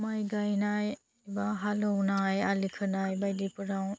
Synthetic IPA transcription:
majɡajnaj | baɦalɔwnajalikʰɯnajbajdipɯɾaw

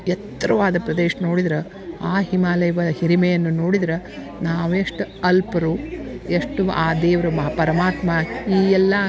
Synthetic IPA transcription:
jɛt̪ːɾɐʋaːd̪ɐpɾɐd̪eːʃɐno̞ːɽid̪ɐɾɐ | aːɦimaːlɐjɐʋɐɐhiɾimɛjɐnːunoːɽid̪ɐɾɐ | naːʋueʂʈuɐlpɐɾueʂʈuaːd̪eːʋɐɾɐmɐpɐɾɐmaːt̪maiːɛlːɐ

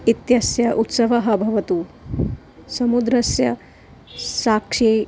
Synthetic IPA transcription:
it̪jɐsjɐʔut̪sɐʋɐɦɐbʱɐʋɐt̪u | sɐmud̪ɾɐsjɐ | saːkʂeː

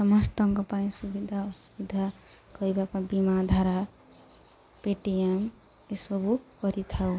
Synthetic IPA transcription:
sʌmʌst̪ʌŋkʌpaĩsubid̪ʱasubid̪ʱa | kʌjbakãbimad̪ʱaɾa | peʈijem | esobuɡʌɾit̪ʰaw

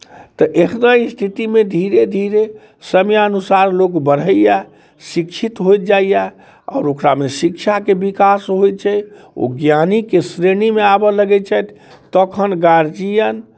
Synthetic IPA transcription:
t̪ɔʔekʰnaist̪ʰit̪imed̪ʱiɾed̪ʱiɾe | səmjaənusaɾlokbəɽ̤əjja | sikt͡ʃʰit̪ɦojt̪̚d͡ʒaija | a̰ʊɾokɾamesikt͡ʃʰakebikasɦojt̪̚t͡ʃʰɛj | o̰ɡjanikesɾenimeabɔləɡɛt͡ʃʰɛjt̪ʰ | t̪əkʰənɡaɾd͡ʒijən

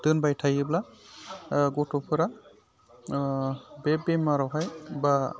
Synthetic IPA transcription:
dɯnbajtʰajɯbla | ɡɔtɔpʰɯɾa | bɛbemaɾɔwɦajba

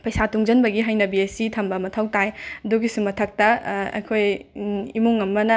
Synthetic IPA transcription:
pɐjsatuŋd͡ʒɐnbɐɡiɦajnɐbiesitʰɐmbɐmɐtʰɐwtajɐduɡisumɐtʰɐk̚tɐɐ̰kʰojimuŋɐmːɐnɐ

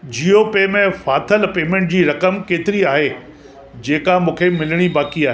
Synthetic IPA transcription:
d͡ʑiːopeːmẽfaːt̪ʰəlpeːmẽːɳʈ̚d͡ʑiːɾɐkəmkeːt̪ɪɾiaːɦe | d͡ʑeːkamũːkʰemɪlɪɽ̃ibaːkiaːɦeː

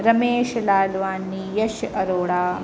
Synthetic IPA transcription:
ɾɐmeːʃɐlaːlʋaːnːijɐʃɐɾoːɽaː

